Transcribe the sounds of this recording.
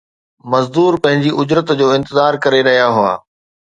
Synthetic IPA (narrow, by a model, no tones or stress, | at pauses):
mɐzd̪uːɾpɐ̃ɦɪ̃ɲd͡ʑiʔʊd͡ʑɾət̪d͡ʑoːɪ̃nt̪ɪzaːɾkɐɾeɾɐɦijaɦʊa̰ː